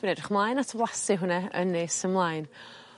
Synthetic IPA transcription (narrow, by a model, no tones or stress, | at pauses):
b̥ɪnɛdrɪχmlˠajnatʰəblˠasɨɦʊnɛə̰nːesəmlˠajn